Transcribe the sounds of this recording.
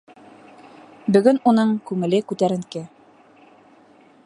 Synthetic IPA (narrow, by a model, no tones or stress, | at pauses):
bɵ̆ɡɵnunɤɴkʉŋɘ̆lɘkʉt̪æɾɘ̆ŋkɘ